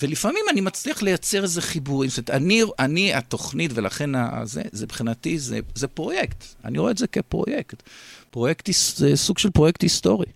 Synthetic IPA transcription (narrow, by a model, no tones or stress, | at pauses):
velifamimanimat͡sliaχle̞jat͡seʁezeχibuʁimst̪metaniʔaniat̪o̞χnitvelaχe̞na̰zḛzebeχinat̪izḛzepʁo̞jekt̪a̰niʁoezekepʁo̞̰jekt̪pʁo̞jekt̪hiszesuɡʃelpʁojekt̪hist̪o̞ʁi